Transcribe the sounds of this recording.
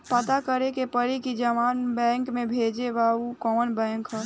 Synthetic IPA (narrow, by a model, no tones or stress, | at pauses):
pət̪akəɾekepəɾikid͡ʒəmaːnbɛ̃ːŋkmẽbʱeːd͡ʒeʋaukɔːnbɛ̃ːŋkɦə